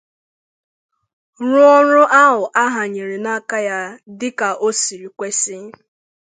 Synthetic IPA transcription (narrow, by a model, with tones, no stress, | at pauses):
ɾʊ˦ɔ˦ɾʊ˦ʔa˦ɦʊ˨ʔa˦ɦa˨ɲe˨ɾe˨na˦ka˦ja˦dɪ˦ka˨ʔo˦si˨ɾi˨kʷe˦sɪ˦